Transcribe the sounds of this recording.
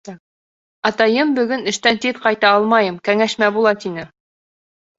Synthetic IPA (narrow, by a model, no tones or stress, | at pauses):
ɑt̪ɑjɤmbɵ̆ɡɵnɘ̆ʃt̪ænt̪iðqɑjt̪ɑɑlˠmɑjɤmkæŋæʃmæbulˠɑt̪inɘ